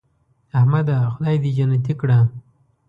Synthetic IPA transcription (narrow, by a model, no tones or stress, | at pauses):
ahmad̪axʊd̪ajd̪id͡ʒanat̪̬ikɽa